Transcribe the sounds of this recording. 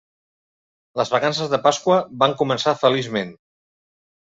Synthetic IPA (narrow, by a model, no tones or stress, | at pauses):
ləzβəkansəzðəpaskwəβaŋkumənsafəlizmen